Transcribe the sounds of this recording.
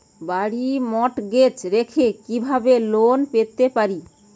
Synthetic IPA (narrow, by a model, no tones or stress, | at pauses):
baɽimɔʈɡet͡ɕɾekʰekibʱabelonpet̪epaɾi